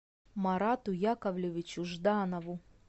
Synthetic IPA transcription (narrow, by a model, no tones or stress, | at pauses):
mɐɾat̪ʊjakɐvlʲevʲɪt͡ɕʊʐd̪anɐvʊ